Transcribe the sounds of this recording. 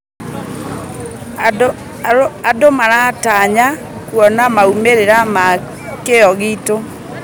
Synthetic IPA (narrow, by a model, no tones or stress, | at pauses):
adomaɾataɲa | kwɔnamaumeɾeɾama | keɔɣito